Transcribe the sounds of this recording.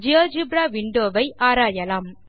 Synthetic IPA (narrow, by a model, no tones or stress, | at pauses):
d͡ʒiɐd͡ʒɯbɾaːʋɪɳɖoːʋɐɪʔaːɾaːjɐlaːm